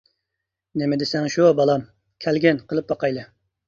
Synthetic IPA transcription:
nemɪd̪ɪsɛŋʃubɑlˠɑm | kʲʰælɡʲɛnqʰəlˠɨp̚bɑqɑjlˠɨ

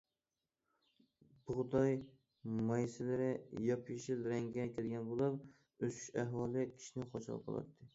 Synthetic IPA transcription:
b̥ʊʁd̪ɑj | mɑjsɪlɪɾɪjɑpʰiʃɪlɾæŋɡʲɛkʲʰelɡʲɛnbolˠɨɾ | øsʰy̥ʃæɦwɑːlˠɪkʲʰi̥ʃinɪqʰot͡ʃʰl̰ˠqʰɑ̰lˠɑ̰t̪ʰːɨ

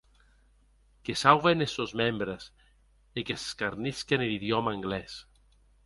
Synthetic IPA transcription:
kesawvenesozmembɾes | ekese̥skaɾniskeneliðjɔmaːŋɡlɛs

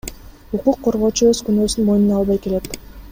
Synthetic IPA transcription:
uquqʰːo̞ɾʁo̞ːt͡ʃuøzkynøsynmo̞jnunɑlˠβɑjkele̞t̪

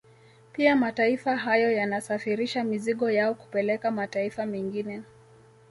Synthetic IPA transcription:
piamataifaɦajɔjanasafiɾiʃamiziɠɔjaɔku̥pɛlɛkamataifamɛŋɡinɛ

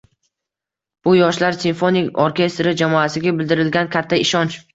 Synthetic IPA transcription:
b̥ʊjɒʃlaɾsinfonɪkoɾkʲe̞st̪ɾɪd͡ʒamɒasɪɡʲabɪld̪ɪɾɪlɡʲankʲʰat̪ʰːaɪʃɒnt͡ʃ

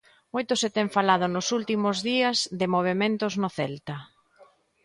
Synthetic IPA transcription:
mojt̪ʊset̪ɛŋfalað̞ʊnʊsult̪imʊzðiɐzðɪmoβ̞emẽnt̪ʊznʊθɛlt̪ɐ

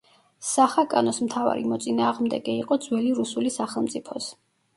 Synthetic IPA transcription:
saχakʼanɔsmt̪ʰava̰ɾḭmɔt̪sʼinaːʁmd̪ɛ̰ɡɛiqʼɔd̪zwɛliɾusulisaχɛlˠmt̪sʼipʰɔs

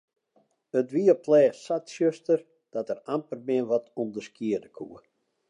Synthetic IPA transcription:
ətʋiəplɛːsatsjøstər | d̥ɔtərampərmɪənʋɔtʰumdəskiədəkʰṵə

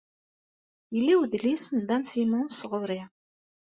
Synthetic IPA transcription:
jəlːiwðlisənd̪ænsimunsʁʊɾi

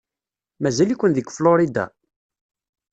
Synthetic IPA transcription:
mæzælikʷːənðəɡfloɾid̪a̰

